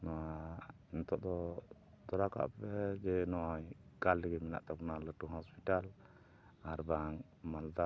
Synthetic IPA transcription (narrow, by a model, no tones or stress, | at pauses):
nɔwa | nt̪ɔʔd̪ɔ | d̪ɔɾaka̰ʔpɛd͡ʒɛnɔjkaldɛɡɛmina̰ʔt̪apunaləʈuɦɔspiʈal | aɾbaŋ | mald̪a